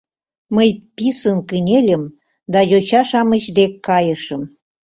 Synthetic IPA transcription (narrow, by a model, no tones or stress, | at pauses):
məjpisənkinʲelʲəm | d̪ɑjot͡ɕɑʃɑmət͡ɕd̪ekːɑjəʃəm